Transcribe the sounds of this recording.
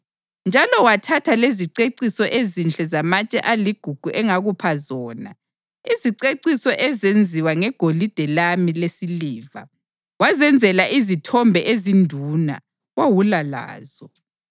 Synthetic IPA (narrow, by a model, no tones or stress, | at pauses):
nd͡ʒʱalɔwatʰatʰaleziǀeǀisɔʔezint͡ɬʼɛzamat͡ʃʼɛ̰ʔaliɡ̥ʱuɡ̥ʱuʔɛŋaɣupʰazɔːna̰ | iziǀeǀisɔʔɛzend͡zʱiwaŋɛɡ̥ʱolid̥ʱɛlamilesiliːva̰ | wazɛnd͡zʱɛlaʔizitʰɔmbʱɛʔezindʱuːna̰ | wawulala̰ːz̥ɔ